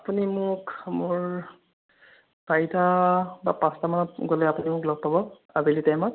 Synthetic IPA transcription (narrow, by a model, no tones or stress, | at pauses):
apunimʊkmʊɹ | paitabapastamanɔtɡolɛapunimʊklɔɡ̚pabɔ | abilitajmɔt̚